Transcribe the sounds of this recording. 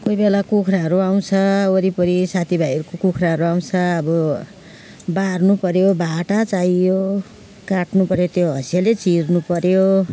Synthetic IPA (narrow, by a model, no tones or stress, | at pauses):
kojbelakukʰraɦʌɾuaw̃t͡sʰʌoɾipʌɾisat̪ʰibʱajʌɾukokukʰraɦʌɾuaw̃t͡sʰʌːbʌ | barnupʌɾjobʱaʈat͡sajjo | kaʈnupʌɾjot̪joɦʌsjalet͡sirnupʌɾjo